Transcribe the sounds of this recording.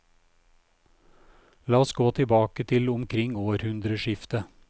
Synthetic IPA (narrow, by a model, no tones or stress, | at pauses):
lɑːɔsɡoːt̪ʰɪbɑːkət̪ʰɪlʊmkʰɾɪŋoːɾhʉnd̪ɾəʃɪft̪ə